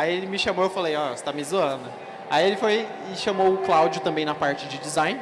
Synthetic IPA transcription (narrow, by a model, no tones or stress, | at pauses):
aielɪmɪʃɐmoewfalejɔst̪amɪzuɐ̃nʊ | aielɪfoj | ɪʃɐmowʊklawd͡ʒʊt̪ɐ̃mbẽj̃nɐpaɾt͡ʃɪd͡ʒɪd͡ʒɪzãj̃n